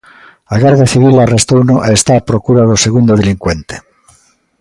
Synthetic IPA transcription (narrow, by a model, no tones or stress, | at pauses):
aɣaɾðjaθiβilarest̪ownoʔeest̪apɾokuɾaðoseɣ̞und̪oðeliŋkwent̪e̥